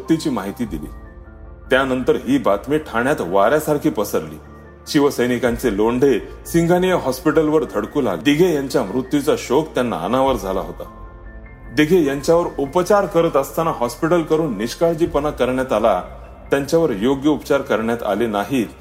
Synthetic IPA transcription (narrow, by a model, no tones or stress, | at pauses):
mut̪jut͡ɕiːmaɦit̪iːd̪ilḭː | t̪janənt̪əɾɦiːbat̪miːʈʰaɳjat̪ʋaɾjasaɾkʰiːpəsəɾlḭː | ɕiʋəsəjnikãnt͡seloɳɖʱesiŋɡʱanijəɦɔspiʈəlʋəɾd̪ʱəɽkuːla̰ɡd̪iɡʱejaɲt͡ɕjamɾut̪jut͡saɕokt̪janːa̰ə̰naʋəɾd͡zʱala̰ɦot̪a | d̪iɡʱejaɲt͡ɕjaʋəɾupt͡ɕaɾkəɾət̪əst̪anaɦɔspiʈəlkəɾuːnːiɕkaɭd͡ʑiːpənakːəɾɳjat̪ala | t̪jaɲt͡ɕjaʋəɾjoɡjəupt͡ɕaɾkəɾɳjat̪a̰lenaɦiːt̪